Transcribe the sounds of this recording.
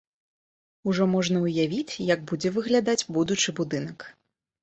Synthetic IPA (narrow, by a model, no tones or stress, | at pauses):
uʐɔmɔʐnɐuwjavʲit͡sʲjɐɡ̚bud͡zʲɛvɨɣlʲad̪ad͡zʲbud̪ut͡ʂɨbud̪ɨnɐk